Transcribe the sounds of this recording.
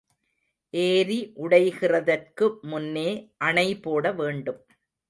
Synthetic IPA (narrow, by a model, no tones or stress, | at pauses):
ʔeːɾiʔʊɽɐɪɣɪrɐðɐrkɯmʊnːeːʔɐɳɐɪpoːɽɐʋeːɳɖɯm